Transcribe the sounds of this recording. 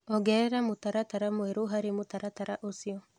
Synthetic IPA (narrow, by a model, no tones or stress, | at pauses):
ɔɡɛɾɛɾamotaɾataɾamweɾoɦaɾemotaɾataɾaʔosiɔ